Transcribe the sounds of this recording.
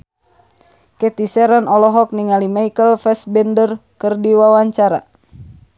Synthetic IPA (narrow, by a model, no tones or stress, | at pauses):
kɛt̪isɛɾanɔlɔɦɔk̚niŋalimajkəlfɛsbɛndərkərdiwawaɲt͡ʃaɾa̰